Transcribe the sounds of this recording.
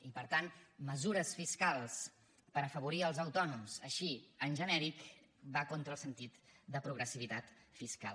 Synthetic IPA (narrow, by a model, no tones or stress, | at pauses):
ipəɾt̪anməzuɾəsfiskalˠs | pəɾəfəβuɾiəlˠzəwt̪ɔnumzəʃiənʒənɛɾik | bakont̪ɾəlˠsənt̪it̪d̪əpɾuɣɾəsiβit̪at̪fiska̰l